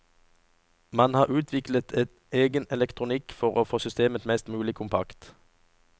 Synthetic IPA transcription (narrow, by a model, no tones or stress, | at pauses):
mɑnhɑːʁʔʉːt̪ʰʋɪklət̪ʰɛt̪ | eːɡənɛlɛkt̪ʰʁʊnɪkfɔʁoːfoːsʏst̪eːmət̪mɛst̪mʉːlɪkʰʊmpʰɑ̰kt̪